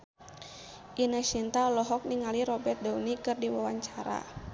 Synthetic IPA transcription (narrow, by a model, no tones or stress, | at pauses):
ʔinaʃint̪alɔɦɔk̚niŋaliɾɔbɛrt̪̚daunikɨrdiwawaɲt͡ʃaɾa̰